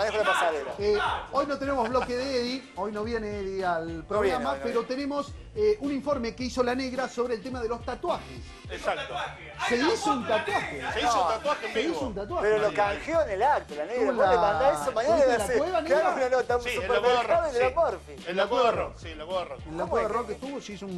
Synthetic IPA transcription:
manexolapasaðeɾa̰eo̞jnot̪enemoβlo̞keðeeði | o̞jno̞βje̞neeðialpɾoɣɣɾammapeɾo̞t̪enemo̞s | eʔuniɱfo̞ɾme̞keiso̞lane̞ɣɾaso̞βɾeːlt̪emaðelo̞st̪at̪waxḛs | esak̚t̪o | seisount̪at̪waxeseiot̪at̪waxeeisount̪at̪̬waxpeɾolokaŋxjoenelak̚t̪olaneɣɾlaeanaesomaɲãeðlsiweβaneɣaɾunanot̪aussupakweaaβeðelapoɾfienlakweβarosilakweβaroenlakweβarokest̪uβosisun

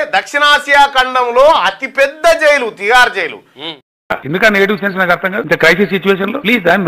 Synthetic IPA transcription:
d̪ɐkʂinaːsjaːkɐɳɖɐmloːɐt̪ipɛd̪ːɐd͡ʒejlut̪ijaːɾd͡ʒejlṵ | a̰end̪ukɐnneɡɐʈiʋsens̬naːkɐɾt̪ʰːɐŋɡaːdint̪ɐkɾɐjsisit͡ʃːueːʃ̬ɐnloːpliːsd̪aːn

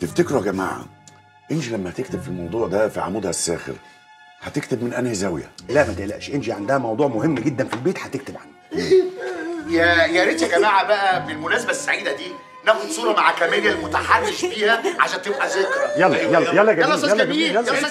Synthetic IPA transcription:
t̪eft̪ekɾohɡæma̰ːʕa̰ | ʔenʃilæmːæhæt̪ek̚t̪ebfilmɑwd̪ˤuːʕd̪æfiʕa̰muːd̪hæsːæ̰ːxḛɾ | hæt̪ekt̪ebmenʔænhezæwjæ̰læmæt̪eʔlæ̰ʔʃʔenʃiʕand̪æhæmɑwd̪ˤuːʕmohemːɡed̪ːænfilbeːt̪ħæt̪ekt̪ebʕand̪æk | jæjæɾet̪æɡæmæːʕabæʔæfilmʊnæːsabæsːaʕiːd̪æd̪iː | næxod̪sˤuːɾˤɑmaʕakæmænjælmot̪aħarːɪʃbiːhæʕaʃæːnt̪ebʔæzekɾæjælːɑjælːjælːɑɡæːjælːɑæiːjælː

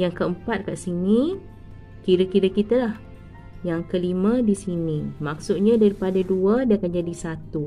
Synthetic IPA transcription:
jaŋkəəmpat̪̚kaʔsini | kiɾəkiɾəkit̪alah | jaŋkəlimə̃disinimak̚sʊt̪̚ɲãdaɾipadaduədaakand͡ʒadisat̪u

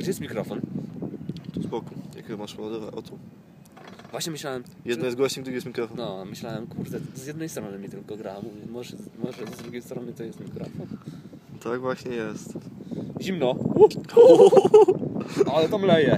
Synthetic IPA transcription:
ɡd͡ʑɛjɛst̪mʲikɾɔfɔn | t̪ɔspɔkɔja̰kɛmaʂpɔvɔd̪ɔvaʔɔt̪u | vwaɕɲɛmɘɕlawɛm | jɛd̪ɔjɛzɡwɔɕɲɛɡ̚d̪uɡjɛst̪mʲikɾɔfɔnɔmɘɕlawɛmkʰuɾd̪ɛzjɛd̪nɛjst̪ɾɔnɨmʲit̪ɘlkɔɡɾamɔɛmɔʐɛmɔʐɛzd̪ɾuɡʲejst̪ɾɔnɘt̪ɔjɛst̪mʲikɾɔfɔn | t̪aɡvwaɕɲɛjɛst̪ʑimnɔ | alɛt̪ɔmlɛjɛ

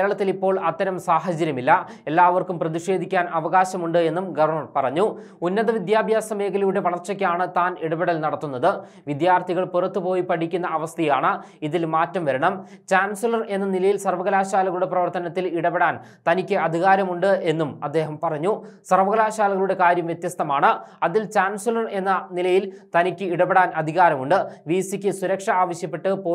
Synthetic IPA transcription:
eɾɐɭɐt̪ːilipːo̞ːɭɐt̪ːɐɾɐmsaːɦɐd͡ʑɐɾjɐmilːɐ | e̞lːaːʋɐrkumprɐðiʂe̞ːd̪ʱikʲːaːnʔɐʋɐɣaːɕɐmuɳɖɨe̞nːumɡɐʋɐrɳɐrpɐrɐɲːu | unːɐðɐʋid̪jaːbʱjaːsɐmeːɣɐljuɽe̞ʋɐɭɐrt͡ɕːɐkʲːaːɳɨt̪aːneɽɐbeɽɐlnɐɽɐt̪ːunːɐðɨ | ʋid̪jaːrt̪ʰiɣɐɭpurɐt̪ːupo̞ːjipɐɽʰikʲːunːɐʔɐʋɐst̪ʰɐjaːɳɨ | iðilmaːtːɐmʋɐɾɐɳɐmt͡ɕaːnsilɐre̞nːɐnilɐjilsɐrʋɐɣɐlaːɕaːlɐɣɐɭuɽe̞prɐʋɐrt̪ɐnɐt̪ːiliɽɐbeɽaːn | t̪ɐnikʲːɨɐd̪ʱiɣaːɾɐmuɳɖɨe̞nːumɐd̪ːe̞ːɦɐmpɐrɐɲːusɐrʋɐɣɐlaːɕaːlɐɣɐɭuɽe̞kaːɾjɐmʋjet̪jɐst̪ʰɐmaːɳɨɐðilt͡ɕaːnsilɐre̞nːɐnilɐjilt̪ɐnikʲːɨiɽɐbeɽaːnɐd̪ʱiɣaːɾɐmuɳɖɨʋiːsikʲːɨsuɾɐkʂɐaːʋɐɕjɐpːeʈːɨpoː

